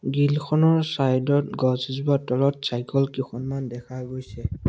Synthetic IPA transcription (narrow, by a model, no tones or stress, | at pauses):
ɡilkʰɔnɔɹsajdɔtɡɔzizbatɔlɔt̚sajkɔlkixɔnmandɛkʰaɡojsɛ